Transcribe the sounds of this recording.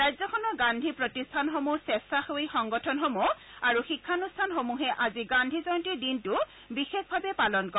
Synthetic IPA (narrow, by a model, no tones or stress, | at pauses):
ɹajzɔkʰɔnɔɡandʱipɹotistʰanxomusɛstaxojxɔŋɡɔtʰɔnxomuaɹuxikʰːanustʰanxomuɦɛʔaziɡandʱizɔntiɹdintʊ | bixexbʱabɛpalɔnkɔ